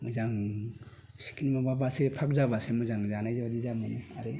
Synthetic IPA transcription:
mɯzaŋ | si̥kinimababasepʰak̚zaβasemɯzaŋzanajzabadizamɯnɯaɾe

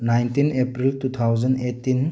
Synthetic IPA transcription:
najntinepɾiltut̪ʰawd͡ʒənetːin

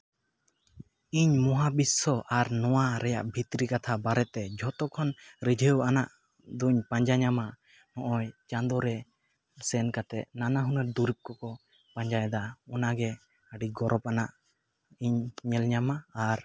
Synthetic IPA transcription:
iɲmɔɦabisɔʔaɾnɔwaɾɛja̰ʔbʱit̪ɾikat̪ʰabaɾɛt̪ɛd͡ʒʱɔt̪ɔkʰɔnɾəd͡ʒʱəwanaʔ | d̪uɲpaɲd͡ʒaɲama | nɔʔɔjt͡ʃand̪ɔɾɛ | sɛnkat̪ɛʔ̪nanaɦunəɾ̚d̪uɾip̚kɔkɔ | paɲd͡ʒajd̪aɔnaɡɛ | əɖiɡɔɾʔɔp̚anaʔ | iɲɲɛlɲamaːɾ

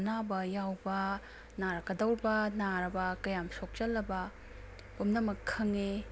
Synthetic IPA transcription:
nabɐjawbɐ | naɾɐkɐdɐwɾbɐnaɾɐbɐkɐjamsok̚t͡ʃɐlːɐbɐ | pumnɐmɐkʰːɐŋe

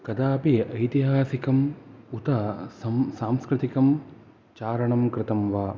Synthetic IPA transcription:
kɐd̪aːpiʔɐjt̪iɦaːsikɐmut̪ɐsɐsaːmskɾɪt̪ikɐm | t͡ʃaːɾɐɳɐmkɾɪt̪ɐmʋaː

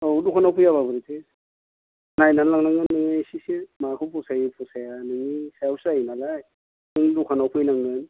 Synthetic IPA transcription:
ɔwdukʰanawpʰɯjaβabɯɾitʰe | najnallaŋlaŋɯnːɯŋasisimakʰɯwpʰɔsajipʰɔsajanɯŋisawsajnalaj | nɯŋdukʰanawpʰɯjnaŋɯn

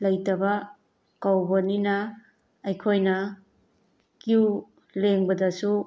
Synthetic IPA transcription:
lɐjtɐbɐ | kawbɐninɐː | jkʰojnɐ | kiu | leŋbɐdɐsu

